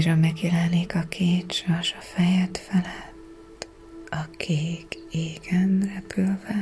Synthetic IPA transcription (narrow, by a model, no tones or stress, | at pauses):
ʒɒmmɛɡjɛlɛneːkɒkʰeːt͡ʃɒʃɒfɛjɛt̪fɛlɛt̪ː | ɒkʰeːkeːɡ̥ɛnrɛpylvɛ